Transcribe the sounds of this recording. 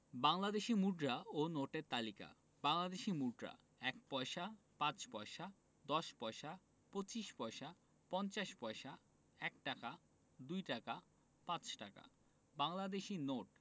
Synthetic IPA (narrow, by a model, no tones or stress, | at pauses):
baŋlad̪eʃimuɖɾaonoʈeɾt̪alika̰ | baŋlad̪eʃimuɖɾa̰ | ɛk̚pɔeʃa | pãt͡ɕpɔeʃa | d̪ɔʃpɔeʃa | pot͡ɕiʃpɔeʃa | pɔnt͡ɕaʃpɔeʃa | ɛk̚ʈaka | d̪ujʈaka | pãt͡ɕʈaka̰ | baŋlad̪eʃinoʈ̚